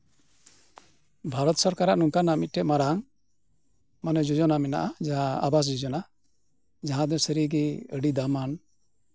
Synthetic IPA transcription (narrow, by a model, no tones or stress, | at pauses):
bʱaɾɔt̪sɔɾkaɾaʔnuŋkanamit̪̚ʈɛʔmaɾaŋ | manɛd͡ʒɔd͡ʒɔnamɛna̰ʔad͡ʒaaa̰bas̬d͡ʒɔd͡ʒɔna | d͡ʒaɦãd̪ɔsəɾiɡɛəɖid̪aman